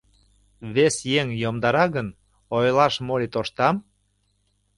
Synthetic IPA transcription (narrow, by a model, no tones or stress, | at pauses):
βesjeŋjomd̪ɑɾɑɣən | ojlɑʃmolit̪oʃt̪ɑm